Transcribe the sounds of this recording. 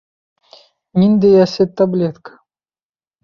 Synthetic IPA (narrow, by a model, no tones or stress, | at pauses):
mʲind̪ejasʲet̪ːablʲet̪kə̥